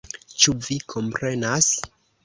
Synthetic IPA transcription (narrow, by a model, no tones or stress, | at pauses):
t͡ʃuvikʰo̞mpɾe̞nas